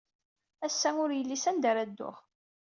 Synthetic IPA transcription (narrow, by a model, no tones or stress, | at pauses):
æsːæʊɾjəlːisænd̪æɾæd̪ːʊ̰ʁ